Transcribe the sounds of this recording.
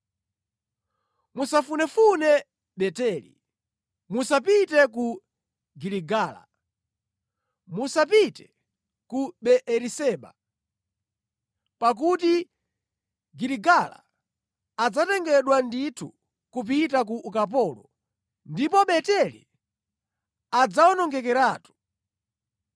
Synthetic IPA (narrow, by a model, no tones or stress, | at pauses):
musafunɛfunɛ | ɓɛtɛlḭ | musapitɛku | ɡiliɡaːla̰ | musapitɛ̥ | kuɓɛʔɛɾisɛːɓa̰ | pak̬uti | ɡiɾiɡala̰ː | d͡zatɛŋɡɛɗwanditʰu | kup̬itak̬uʔukap̬ɔːlɔ | ndipɔɓɛtɛlḭ | ad͡zaɔnɔŋɡɛk̬ɛɾaːtu̥